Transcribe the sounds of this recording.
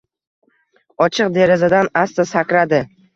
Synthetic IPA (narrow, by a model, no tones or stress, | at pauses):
ɒt͡ʃʰɨq̚d̪e̞ɾɪzad̪anast̪asakʲɾad̪ɪ